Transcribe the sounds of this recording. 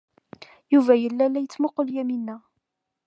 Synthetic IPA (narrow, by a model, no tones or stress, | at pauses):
juvæjəlːælːæjət͡sːmʊqəljæminːæ